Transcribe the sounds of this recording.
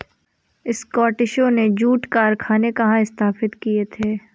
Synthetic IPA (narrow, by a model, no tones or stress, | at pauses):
ɪskɔːʈɪʃõned͡ʒuːʈkaːɾkʰaːnekɐɦãɪst̪aːfɪt̪kiet̪ʰeː